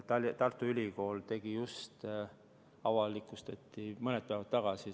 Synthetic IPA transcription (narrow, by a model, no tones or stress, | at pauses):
t̪ɑlt̪ɑrt̪ːˑuylʲiko̞ːlt̪e̞ɡ̥ijust̪ | ɑvɑlːikːˑust̪ɑt̪ːˑimɤned̪̚pæeɑt̪ːɑɡ̥ɑsi